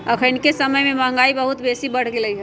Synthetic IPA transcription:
əkʰənkesəməjmẽmə̃ŋɡaːibəɦut̪beːsibəɽ̤ɡeləiɦɛ

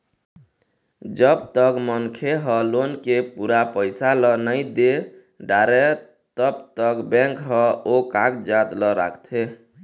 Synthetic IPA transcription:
d͡ʒəbt̪əkmənkʰeɦɔlonkepuɾapəɪsalɔnəɪd̪e | ɖaɾe | t̪əbt̪əkbɛ̃ŋkɦɔokakd͡ʒat̪lɔɾa̰kʰt̪ʰe

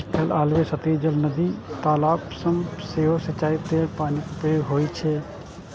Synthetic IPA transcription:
kʰelaːlʋesət̪iːd͡ʒəlnəd̪it̪aːlaːbsəmseːɦosət͡ʃːaːit̪epaːnikʊpjoːɡɦoːit͡ʃʰɛ

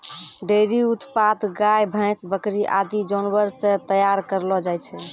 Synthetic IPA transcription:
ɖeɾiut̪pad̪ɡajbʱə̃jsbəkɾiʔa̰d̪id͡ʒɔnbəɾsẽt̪əjaɾkəɾlɔd͡ʒajt͡ʃʰɛ

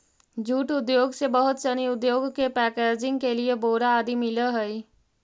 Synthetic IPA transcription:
d͡ʒʱuːʈʊd̪joːɡsebɐɦʊt̪t͡ʃɐniʊd̪joːɡkepɛːkeːd͡ʒɪ̃ŋɡkelieboːɽaaːd̪imɪləɦɛi

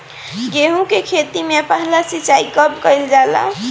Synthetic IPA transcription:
ɡeɦũkekʰet̪imepəɦlasit͡ʃaikəbkəjld͡ʒala̰

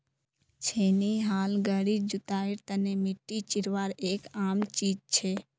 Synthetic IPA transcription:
t͡ʃʰeːniɦaːlɡəɽid͡ʒʊt̪aːɪɾt̪ənemɪʈːit͡ʃɪɾʋaːɾeːkaːmt͡ʃiːd͡ʒt͡ʃʰeː

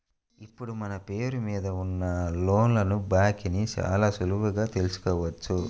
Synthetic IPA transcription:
ipːuɽumɐnɐpe̞ːɾumiːd̪ɐunːɐlo̞ːnlɐnubaːkinit͡ʃa̰ːlaːsulubɐɡaːt̪e̞lusu̥kɔːʋɐt͡ʃːu

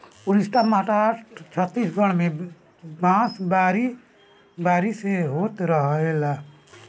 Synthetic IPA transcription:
uɾɪsʈamãʈaʈt͡ʃʰət̪ːiːsɡʱəɽ̃mẽ | bãːsbaːɾi | baːɾiseɦoːt̪ɾəɦela

